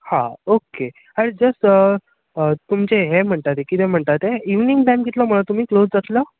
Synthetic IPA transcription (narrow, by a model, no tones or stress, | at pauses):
haoke | aɽid͡zəsə | ət̪umt͡ɕeɦem̤əɳt̪at̪ekit̪ɛm̤əɳt̪at̪eiʋniŋɡʈamɡit̪ləːm̤əɭat̪um̤iːklod͡zd͡zat̪ləː